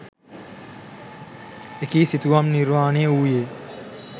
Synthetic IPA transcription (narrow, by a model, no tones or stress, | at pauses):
ekiːsit̪uʋamniɾʋaːneuːjeː